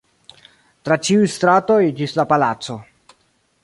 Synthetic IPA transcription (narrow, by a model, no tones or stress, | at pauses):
t̪ɾat͡ʃiujst̪ɾat̪ojed͡ʒislapalat̪so